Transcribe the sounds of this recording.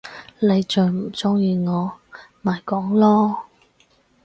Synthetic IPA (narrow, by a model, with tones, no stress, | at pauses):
le˨˧jt͡ʃœː˨ŋm̩˨˩t͡sʊ˥ŋjiː˨˧ŋɔː˨˧maː˨jkɔː˨˥ŋlɔː˥